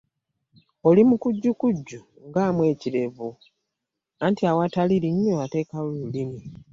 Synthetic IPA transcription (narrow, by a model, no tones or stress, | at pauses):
o̞limukuɟːukuɟːu | ŋɡaːmwe̞ːciɾe̞vu | antiawataliɾiɲːoate̞ːkawolulimi